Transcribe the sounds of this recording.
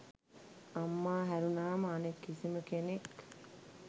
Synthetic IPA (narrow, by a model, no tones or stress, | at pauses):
ɐmːaːɦæɾunaːmɐɐnekːisiməkenek